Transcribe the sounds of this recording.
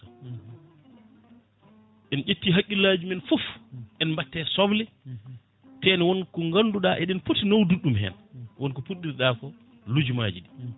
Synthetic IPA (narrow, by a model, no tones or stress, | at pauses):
a | ʔɛnʔetːiɦakʲʼːilad͡ʒumɛnfufʔɛnmbatːɛsɔblɛ | tɛnwɔnkɔŋɡanːduɗaʔɛɗɛnfutːinowduɗumɦɛ̰n | wɔnkɔfuɗːiɾɗaːkɔ | lud͡ʒuma̰ːd͡ʒiɗɛ